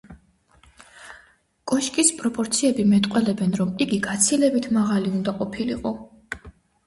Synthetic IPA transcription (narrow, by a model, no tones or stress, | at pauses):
kʼɔʃkʼispʼɾɔpʼɔɾt̪sʰiɛbimɛt̪ʼqʼwɛlɛbɛnɾɔmiɡiɡat̪sʰilɛbit̪ʰmaʁaliund̪aqʼɔpʰiliqʼɔ